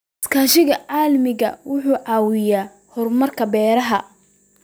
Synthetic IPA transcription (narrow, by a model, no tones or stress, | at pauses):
ɪskʰaːʃɪɣɐʕɑːlmɪɣɐ̰wʊħuːʕɑːwɪjaː | hɔrmɐrkʰɐbɛːɾɐɦɐ